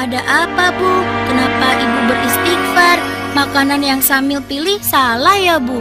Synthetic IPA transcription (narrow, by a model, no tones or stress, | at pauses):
adaʔapabukənapaʔibubərist̪ik̚fər | makananjaŋsamɪlpilɪhsalahjabu